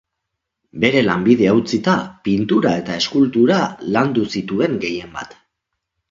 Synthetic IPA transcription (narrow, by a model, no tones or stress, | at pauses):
be̞ɾe̞lambið̞e̞awt͡sit̪apint̪uɾae̞t̪ae̞skult̪uɾaland̪usit̪ue̞ŋɡe̞je̞mba̰t̪